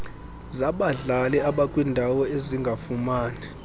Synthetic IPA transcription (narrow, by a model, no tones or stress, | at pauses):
zaɓaɮalɛaɓakʼwindʱawɔeziŋɡʱafumaːnɛ